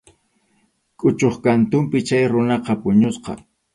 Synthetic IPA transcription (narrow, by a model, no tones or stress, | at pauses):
kʼʊt͡ʃoχkant̪ʊmpɪt͡ʃajɾʊnɑqɑpʊɲosqɑ̰